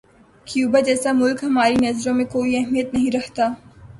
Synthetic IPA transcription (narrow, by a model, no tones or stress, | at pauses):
kjuːbad͡ʒɛːsamʊlkɦɐmaːɾinɐzɾõmẽkoːiɐɦmijət̪nɐɦĩɾɐɦt̪aː